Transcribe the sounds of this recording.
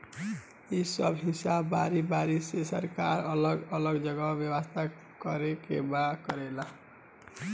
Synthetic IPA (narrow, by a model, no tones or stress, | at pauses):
isʌbɦisabːaɾibaɾisesə̰ɾkaɾʌləɡʌləɡd͡ʒʌɡabjəwast̪ʰa | kʌɾekḛbakʌɾela